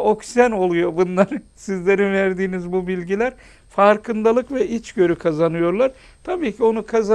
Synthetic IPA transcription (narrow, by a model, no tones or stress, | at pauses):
o̞ksæno̞lˠujo̞bunlˠaɾsizlʲe̞ɾinvæɾd̪iːnizbubilʲɟilʲæɾ | faɾkʰɯnd̪alˠɯkvɛʔit͡ʃɟø̞ɾykʰazanɯjo̞ɾlˠaɾ | t̪ʰabiːcʰio̞nukʰaza